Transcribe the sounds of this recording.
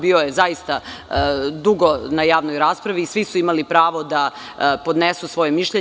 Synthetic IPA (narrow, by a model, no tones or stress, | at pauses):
biojezajist̪a | d̪uɡo̞najaːʋnojɾaːspɾaʋiːsʋisuimalipɾaːʋo̞d̪a | po̞d̪nesusʋo̞jemiʃʎe